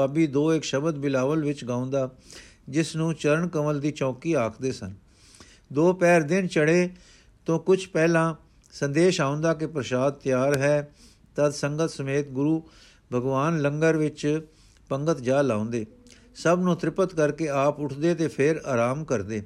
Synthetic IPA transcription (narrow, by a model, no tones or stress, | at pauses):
aːbiːd̪oːɪkʃəbəd̪bɪlaːʋəlʋɪt͡ʃɡãːʊ̃nd̪aː | d͡ʒɪsnũːt͡ʃəɾəɳkəməld̪iːt͡ʃɔ̃ːkiːaːkʰd̪eːsə̰n | d̪oːpɛːɾd̪ɪnt͡ʃəɽeː | t̪õːkʊt͡ʃʰpɛːlãː | sənd̪eːʃaːʊ̃nd̪aːkɪpɾəʃaːd̪̚t̪jaːɾɦɛː | t̪əd̪səŋɡət̪səmeːt̪̚ɡʊɾuː | bʱəɡʋaːnləŋɡəɾʋɪt͡ʃ | pəŋɡət̪d͡ʒaːlaːʊ̃nd̪eː | səbnõːt̪ɾɪpət̪kəɾkeːaːpʊʈʰd̪eːt̪eːpʰɪɾaːɾaːmkəɾd̪eː